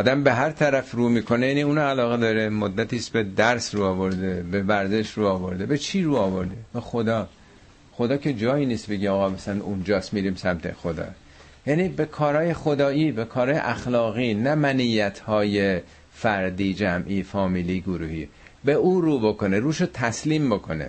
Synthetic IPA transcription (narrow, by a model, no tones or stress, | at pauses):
ɒːd̪æmbe̞ɦæɾt̪ʰæɾæfruːmiːkʰo̞nejæːniuːnɒælɒːɣed̪ɒːɾe̞mod̪ːæt̪iːst̪be̞d̪æɾsruːɒːvo̞ɾd̪ebe̞væɾze̞ʃruːɒːvo̞ɾd̪ebe̞t͡ʃʰiːɾuːɒːvo̞ɾd̪ebe̞xod̪ɒː | xod̪ɒːcʰe̞d͡ʒɒːjiːniːst̪be̞ɟeɒːɣɒːbesæmt̪und͡ʒɒːst̪miːɾiːmsæmt̪ʰe̞̰xo̞d̪ɒ̰ː | jænibe̞kʰɒːɾɒːje̞xod̪ɒːiːbekʰɒːɾɒːjḛʔæxlɒːɣiːnæmænijːæt̪ʰhɒːje | fæɾd̪iːd͡ʒæmʔiːfɒːmiːliːɡoɾuːhiː | be̞uːɾuːbo̞ko̞neɾuːʃot̪ʰæsliːmbo̞kʰo̞nḛ